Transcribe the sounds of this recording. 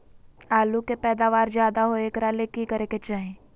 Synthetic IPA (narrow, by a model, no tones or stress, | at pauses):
aːlukepɛːd̪aːʋaːɾd͡ʒjaːd̪aɦoeːkɾaːlekikəɾeket͡ʃaːɦẽː